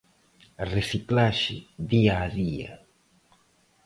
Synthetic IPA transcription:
resiklaʃɪðiaːðia̰

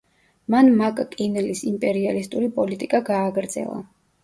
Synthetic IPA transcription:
manmakʼkʼinlisimpʼɛɾialist̪ʼuɾipʼɔlit̪ʼikʼaɡaːɡɾd̪z̥ɛ̰lˠa̰

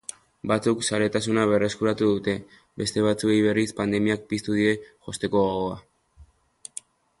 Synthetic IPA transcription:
bat͡suksaɾe̞t̪asunaβ̞e̞re̞skuɾat̪uðut̪e̞ | be̞st̪e̞β̞at͡sue̞jβ̞e̞rispand̪e̞miak̚pist̪uðiɾe̞ʝo̞st̪e̞ko̞oɣoa

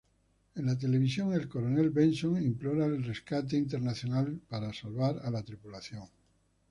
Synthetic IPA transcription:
enlat̪̬e̞le̞β̞isjo̞ŋe̞lko̞ɾone̞lβe̞nso̞ŋimplo̞ɾaelre̞skat̪̬e̞int̪e̞ɾnaθjo̞nalpaɾasalβaɾalat̪ɾipulaθjo̞ŋ

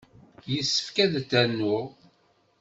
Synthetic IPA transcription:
jəsːə̥fkæðt̪ːænːʊ

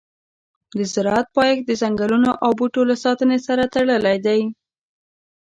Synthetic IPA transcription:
d̪əzɪɾɑat̪̚pɑjekd̪əzaŋɡalunoʔawbuʈolasɑt̪ənesaɾat̪aɽəlajd̪aj

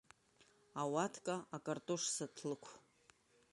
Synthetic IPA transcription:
awatʰkʼaakʼartʼoʂsatʰlɨkʷʰ

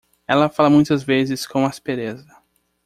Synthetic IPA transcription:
ɛlɐfalɐmũj̃t̪ɐzvezɪskõw̃aspeɾezɐ

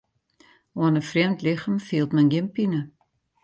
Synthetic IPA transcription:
oənəfriəmtlɪxəmfiːlˠtmənɡɪmpinə

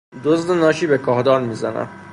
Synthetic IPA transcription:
d̪ozd̪enɒːʃiːbekʰɒːhd̪ɒːnmiːzæ̰næ̰m

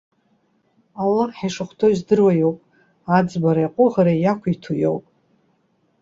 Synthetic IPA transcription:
alːaχħajʂɨχʷtʰoizdɨrwajowpʼ | ad͡zbaɾajqʷʼʊʁaɾajakʷʰitʰujo̰wpʼ

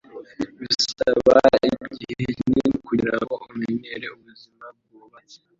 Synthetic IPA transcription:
βisaβaibɟihenikuiɾaɦoumeɲeɾeuβuzimab̚ɡuβat͡se̥

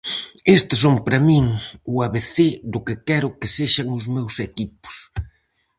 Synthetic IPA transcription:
est̪ɪs̬oŋpɾɐmĩŋʊaβeθed̪ʊkɪkɛɾʊkɪseʃɐŋʊzmewsekipʊ̥s

